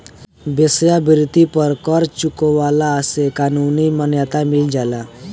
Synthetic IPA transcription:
besjabiɾt̪ipəɾkəɾt͡ɕukɔʋalaəsekanunimənjat̪amild͡ʑala

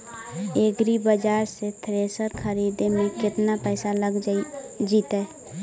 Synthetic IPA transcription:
eːɡɾibəd͡ʒaːɾset̪ʰɾeːsəɾkʰəɾiːd̪emẽkɪt̪napɛːsaləɡd͡ʒiːt̪ɛː

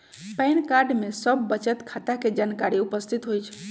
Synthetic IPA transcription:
pɛnkaɾɖmesəbːət͡ʃət̪kʰat̪aked͡ʒankaɾiupəst̪ʰit̪ɦojt͡ʃʰ

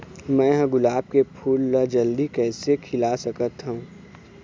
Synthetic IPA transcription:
mɛ̃ɦə̃ɡʊlaːb̚kepʰuːlːəd͡ʒəld̪ikɛːsekʰɪlasɐkət̪ɦuũ

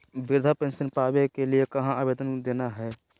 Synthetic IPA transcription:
bɪɾd̪ʱapẽːnsənpaːbekeliekɐɦãabeːd̪ənd̪eːnaɦɛː

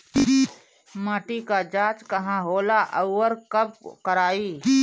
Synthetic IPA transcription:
maːʈikad͡ʒaːt͡ʃkɐɦãɦoːlaʔəʊːəɾkəbkəɾaːiː

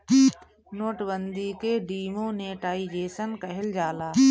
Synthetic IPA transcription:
noːʈbənd̪ikeɖiːmõːneːʈaːid͡ʒeːsənkəɦɪld͡ʒaːlaː

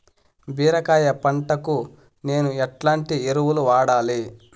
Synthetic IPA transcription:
biːɾɐkaːjɐpɐɳʈɐku | ne̞ːnuɛʈlaːɳʈieɾuwuluʋaːɽaːli

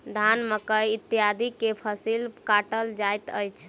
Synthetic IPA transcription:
d̪ʱanməkəjit̪ːijad̪ikepʰəsilkaʈəld͡ʒajt̪əjt͡ʃʰ

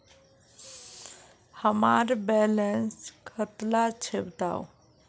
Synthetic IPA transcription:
həmaɾbɛlenskʰət̪lat͡ɕʰebt̪a̰w

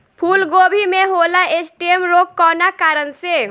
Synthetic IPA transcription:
pʰuːlɡoːbʱimẽɦoːlaʔesʈiemɾoːkːɔːnakaːɾənse

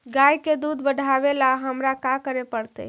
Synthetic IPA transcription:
ɡajked̪ud̪ʱbəɖʱabelaɦəmɾakakəɾepəɽt̪ə̰

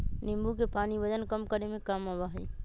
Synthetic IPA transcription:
nɪmbukepaːnibəd͡ʒənkəmkəɾemẽkamabaɦɛj

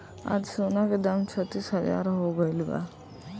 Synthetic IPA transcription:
a̰d͡ʒsoːnaked̪ɐmt͡ʃʰət̪ːisɦəd͡ʒa̰ːɾɦoːbəjlba̰

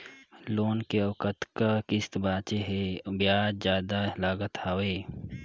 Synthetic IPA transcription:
loːnkeɐʋkət̪kakɪst̪baːt͡ʃeɦebjaːɾd͡ʒjaːd̪alaːɡət̪haːweː

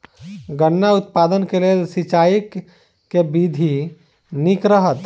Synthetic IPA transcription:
ɡənːaʊt̪̚paːd̪ənkelelsit͡ʃaːik | kːebid̪ʱi | nikɾəɦət̪

